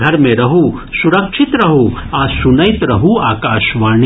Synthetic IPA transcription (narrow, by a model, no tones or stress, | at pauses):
ɡʱɐɾmẽɾɐɦu | suɾɐkʃʰit̪ɾɐɦu | aːsunɐjt̪ɾɐɦuaːkaːʃʋaːɳ